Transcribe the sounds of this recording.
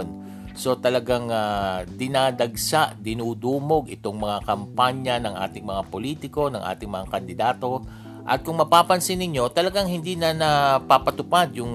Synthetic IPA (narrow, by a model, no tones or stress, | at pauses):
n | so̞t̪ɐlɐɡaŋad̪ɪnaːd̪ɐɡsaʔd̪ɪnuːd̪uːmo̞ɡʔɪt̪o̞ŋmɐŋakɐmpaɲɐnɐŋʔa̰ːt̪ɪŋmɐŋapoliːt̪ɪko̞nɐŋʔa̰ːt̪ɪŋmɐŋakɐnd̪ɪd̪aːt̪o̞ | ʔɐ̰t̪̚kʊŋmɐpaːpɐnsɪnɪɲːo̞t̪ɐlɐɡaŋhɪnd̪inɐnɐpapɐt̪ʊpad̪jʊŋ